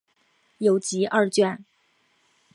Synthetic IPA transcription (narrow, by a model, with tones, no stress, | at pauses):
jo˧˥ʊt͡ɕi˧˥ʔɐ˥˧t͡ɕɥɛ˥˩n